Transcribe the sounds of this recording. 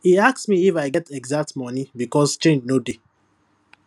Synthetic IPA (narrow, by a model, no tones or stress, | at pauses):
hiasksmiifaɪɡɛtɛɡzak̚tmɔnibikɔst͡ʃẽnd͡ʒnode